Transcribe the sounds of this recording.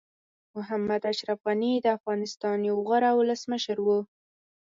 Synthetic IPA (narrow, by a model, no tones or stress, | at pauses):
mʊɦamːad̪aʃɾafɣanid̪əafɣɑnɪst̪ɑnjawɣaɾawʊləsməʃəɾwu